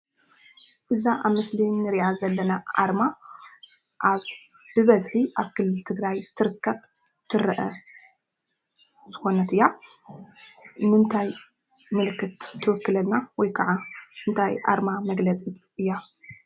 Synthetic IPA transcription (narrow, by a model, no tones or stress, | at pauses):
ʔɨzaʔaβmɨslinɨɾiʔazɐlːɐnaʔa̰ɾma | ʔaβ | b̥ɨβɐzħiʔaβkʰɨlːɨlt̪ʰɨɡɾajt̪ʰɨɾɨkʰːɐβ | t̪ʰɨɾɐʔɐ | zɨxo̞nɐt̪ɨjːa | nɨnt̪ʰaj | mɨlɨkːɨt̪ːʰɨwɨkːɨlɐlnawɔjkʰɐʕaɨnt̪ʰajʔa̰ɾmamɐɡlɐt͡sʼit̪ɨjːa